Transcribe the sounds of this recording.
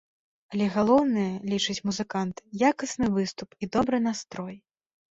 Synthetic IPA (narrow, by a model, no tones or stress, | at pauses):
alʲɛɣalˠɔwnɨjɐlʲit͡ʂɨt͡sʲmuzɨkant̪jakɐsnɨvɨst̪upid̪ɔbɾɨnast̪ɾɔj